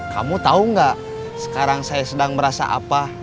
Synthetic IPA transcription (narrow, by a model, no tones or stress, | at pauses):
ka̰mut̪auŋɡaʔ | sə̥kaɾaŋsajasədaŋbəɾasa̰ʔa̰pa